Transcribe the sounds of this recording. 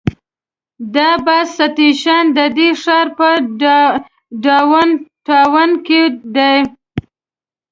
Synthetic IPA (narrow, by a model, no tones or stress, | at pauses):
d̪ɑbasat̪iʃɑnd̪əd̪eʂɑɾpə | ɖɑwanʈɑwanked̪aj